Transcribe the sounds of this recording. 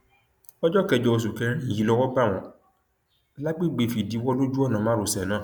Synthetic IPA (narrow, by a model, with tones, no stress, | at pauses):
ɔ˦d͡ʒɔ˦kɛ˧˨d͡ʒɔ˧wo˧s̬u˨kɛ̃˦˨ji˨lɔ˧wɔ˦ba˦˨w̃ɔ̃˨ | la˦ɡ͡be˦ɡ͡be˨fi˨di˨˦wɔ˦lo˦d͡ʒu˦ɔ˦nã˨mã˦ɾo˨sɛ˨nãː˦˨